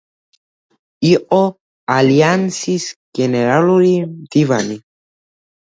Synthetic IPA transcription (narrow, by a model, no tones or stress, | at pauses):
iʔo | aliansisɡ̥eneɾaloɾid̪̥ivani